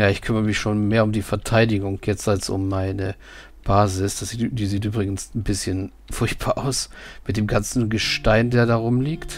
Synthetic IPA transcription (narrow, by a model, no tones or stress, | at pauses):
jaːɪçkʰʏməʁəmɪçʃoːnmeːɐʊmdiːfɛɐtʰaɪdɪɡʊŋjɛt͡stalsʊ̰mːaɪnə | b̥aːzɪsd̥asd̥iːziːtʔyːbʁɪɡn̩sn̩bɪsçən | fʊɐçt̚b̥aːɐʔaʊsmɪt̚d̥eːmɡant͡sn̩ɡəʃtaɪndeːɐdaːʁʊmliːkt